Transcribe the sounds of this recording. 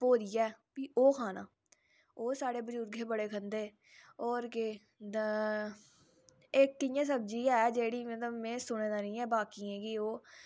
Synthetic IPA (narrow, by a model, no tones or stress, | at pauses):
poːɾijɛːpiːoːkʰaːna̰ː | oːsaːɽeːbəd͡ʒuːɾɡeːbəɽeːkʰənd̪eː | ɔːɾke | eːk̚kɪjãːs̬əbd͡ʒiːɛːd͡ʒeːɽiːmət̪ləbmẽːsʊɽ̃eːd̪aːnĩːɛ̃ːbaːkiãːkioː